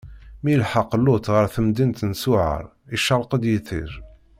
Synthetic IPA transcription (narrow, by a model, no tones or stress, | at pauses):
milħɑqːlːʊt̪ʁəɾθəmd̪int̪nsʊʕə̰ɾˤ | iʃəɾˤqəd̪jiθḭɾ